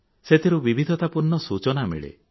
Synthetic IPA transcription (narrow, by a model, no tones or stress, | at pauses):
set̪ʰiɾubibʱid̪ʱɔt̪apuɾnːɔsut͡ʃɔnamḭɭḛ